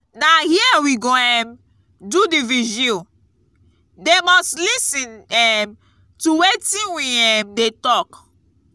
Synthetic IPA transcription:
nahiɛwiɡoɛ̃m | dudiviʒi | demɔstlisɛ̃nɛm | tuwetĩnwiɛmdetɔk

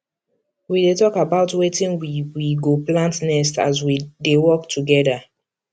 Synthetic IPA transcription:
widetɔkabaʊtwetĩnwiwiɡoplãntnɛsta̰zwidewɔk̚tʰuɡɛda

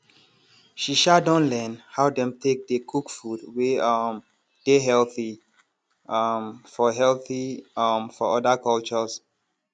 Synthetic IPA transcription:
ʃiʃadɔ̃nlɛnhaʊdɛ̃mtʰek̚dekʰukfudweɔm | d̥eɦɛlθi | mfɔɦɛlθiɔmfɔɔdakɔlt͡ʃɔs

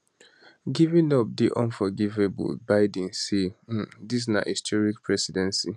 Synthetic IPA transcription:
ɡivĩnɔp̚diʔɔ̃nfɔɡivebṵlbaɪdĩnsem̩dis̬na̰histʰɔɹikpʰɹɛsidɛ̃nsi

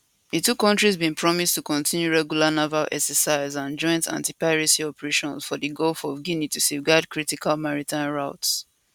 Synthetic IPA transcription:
ðitukɔ̃ntɹizbĩnpʰɹɔmistukɔ̃ntʰĩnjuɹɛɡjulanavalʔɛ̰ksəsaɪzãnd͡ʒɔ̃ɪ̃ntʰã̰ntipaɪɹisiɔpɛɹeʃɔ̃nsfɔðiɡɔlfɔvɡinitusevɡadkʰɹitikʰalmaɹitʰãɪ̃nɹaʊts

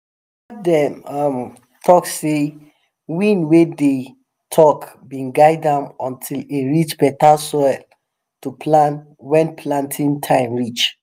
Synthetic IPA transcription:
adɛmam | tʰɔkse | wĩnwede | tʰɔk | bĩnɡaɪdãmɔ̃ntʰiliɹit͡ʃpɛtalsɔl | tupʰlãn | wɛ̃npʰlãntʰĩntʰãɪ̃mɹit͡ʃ

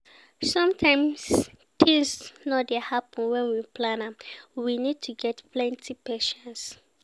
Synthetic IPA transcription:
sɔ̃mtʰãɪ̃ms | tĩŋsnɔdɛhapɔ̃nwɛ̃nwipʰlãnamwinid̚tʰuɡɛtplɛ̃ntʰipɛʃɔ̃ns

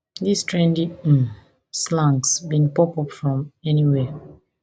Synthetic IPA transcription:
ðistɹɛ̃ndi | slãŋksbĩnpɔpɔpfɹɔ̃mɛniwe

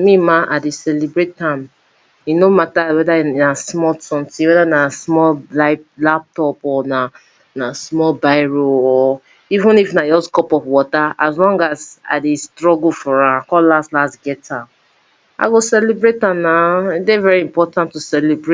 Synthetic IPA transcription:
mĩmãʔadesɛlibɹettãm | inomatawɛdainasmɔltɔ̃ntiwɛdanasmɔllaɪlap̚tɔpɔna | nasmɔlbaɪɹoɔ | ivũnifnajɔskɔpɔfwɔtaazlɔ̃ŋɡaza̰destɹɔɡufɔɹãakɔllastlasɡɛtã | a̰ɡosɛlibɹetãmnaidevɛɹiĩmpɔtãntusɛlebɹe

